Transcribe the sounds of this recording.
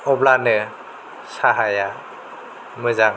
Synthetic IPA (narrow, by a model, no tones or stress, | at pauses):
ɔblanɯ | saɦaja | mɯzaŋ